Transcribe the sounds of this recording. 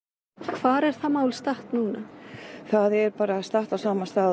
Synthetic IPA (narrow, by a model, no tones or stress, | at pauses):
kʰv̥aːɾɛɾ̥θamaːwlst̪aht̪nuːnaθaðɛɾpaːɾast̪aht̪awsaːmast̪aː